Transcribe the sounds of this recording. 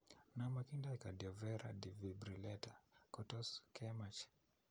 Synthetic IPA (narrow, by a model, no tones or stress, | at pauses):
namakindaikadiɔvɛɾa̰divibɾilɛtakɔtɔskʰɛmat͡ʃ